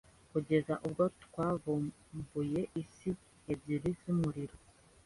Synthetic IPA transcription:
kuɟe̞zaʔubɡotkwaːvu | buje̞ʔisi | eziɾiz̥umuɾiɾo

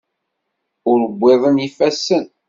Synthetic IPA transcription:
ʊɾəbʷːeðˤənifæsːən

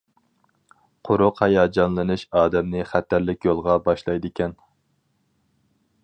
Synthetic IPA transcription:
qʰʊɾʊqhɛjɑːd͡ʒɑnlˠɨnɨʃɑːd̪ɛmnɨχæt̪ʰːæɾlɪkʲjolˠʁɑbɑʃlˠɑjd̪ɪkʲʰɛn

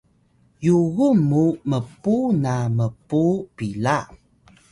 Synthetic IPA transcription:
juɣumːuməpunaməpupila

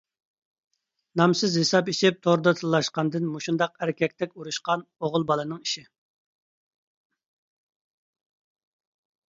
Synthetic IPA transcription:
nɑmsɨzhesɑpiʃɪp̚t̪ʰoɾd̪ɑt̪ʰɨlːˠɑʃqɑnd̪ɨnmuʃund̪ɑqæɾɪkʲɛkʲt̪ʰɛkʲuɾuʃqɑnoʁʊlˠbɑlˠɨnɨŋiʃi

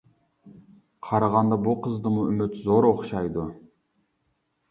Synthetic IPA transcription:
qʰɑɾɑʁɑnd̪ɑbulˠqʰəzd̪ɯmuymʏt̪zoɾoχʃɑjd̪u

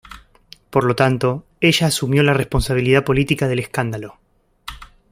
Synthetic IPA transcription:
po̞ɾlo̞t̪ant̪o̞ | e̞ʒaːsumjo̞lare̞spo̞nsaβ̞iliðapo̞lit̪ikaðe̞le̞skand̪alo̞

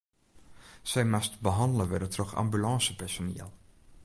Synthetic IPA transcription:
sɛjmastbəɦɑndələʋɛrdətrɔχɑ̰mbylɑːsəpɛɹsonḭːəlˠ

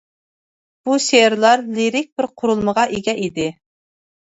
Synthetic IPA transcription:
b̥uʃeɾlˠɑɾliɾɪk̚ʲbɪɾqʰʊɾulˠməʁɑʔeɡʲɛʔid̪ɪ

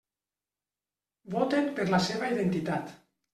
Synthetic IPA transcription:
bot̪empeɾlaseβ̞aiðent̪it̪at̪

